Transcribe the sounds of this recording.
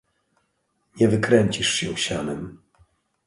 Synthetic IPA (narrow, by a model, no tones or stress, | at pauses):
ɲɛvɘkɾɛɲt͡ɕiʂɕɛ̰̃ɕanɛm